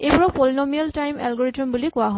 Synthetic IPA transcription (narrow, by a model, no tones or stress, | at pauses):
ejpɔɹɔpɔlinɔmialtajmɛ̰lɡɔɹitɔmbulikʊwaɦɔ